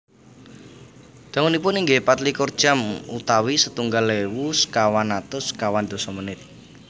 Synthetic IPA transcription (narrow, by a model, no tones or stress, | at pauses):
d̪̥a̤ŋɔnipʊniŋɡepat̪likord̥ʒ̥a̤mṵt̪awisət̪uŋɡalewuskawanat̪ʊskawand̪̥o̤sɔmənɪt̪̚